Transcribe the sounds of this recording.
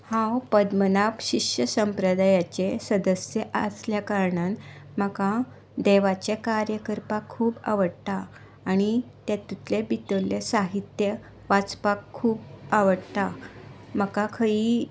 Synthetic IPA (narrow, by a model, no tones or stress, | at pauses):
hãwpəd̪mənapɕikɕjəsəmpɾəd̪ajat͡ɕesəd̪əsjəʔə̰sljakaɾɳanməka | d̪eʋat͡ɕekaɾjəkəɾpakʰːuːba̰ʋəɽt̪aː | ɽ̃it̪jat̪it̪ʰlebit̪əlːesaɦit̪jə | ʋat͡spakʰːuːbaʋəɽt̪a | məkakʰəi